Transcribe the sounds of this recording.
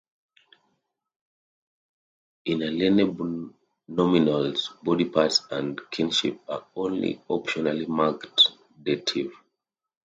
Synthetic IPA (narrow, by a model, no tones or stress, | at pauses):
ĩnalɛnɛb | nɔminalsbɔdipatsãndkʰĩnʃḭp̚aõnlḭɔpʃɔnalimakt | detʰiv̥